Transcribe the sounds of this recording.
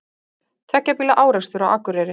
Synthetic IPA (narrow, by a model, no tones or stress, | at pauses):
t̪ʰɛhcːapiːlaʔaːwɾast̪ʏɾawʔa̰kːʏɾɛɾɪ